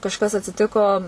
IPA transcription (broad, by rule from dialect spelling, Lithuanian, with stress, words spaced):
kɐʃˈkɐs ɐtʲsʲɪˈtʲɪkoː